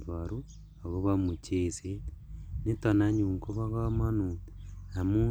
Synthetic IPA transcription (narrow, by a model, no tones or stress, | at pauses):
βaɾu | aɣoβamut͡ʃesenetonaɲuŋkoβaɣamanuamu